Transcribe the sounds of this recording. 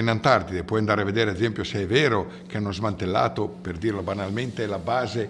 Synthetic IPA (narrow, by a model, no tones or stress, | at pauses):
inant̪art̪id̪epwɔjand̪aɾeavːed̪eːɾeaezɛmpjoseɛveːɾo | k̟eanːozmant̪elːa̰ːt̪operd̪iːrlobanalment̪elabaːze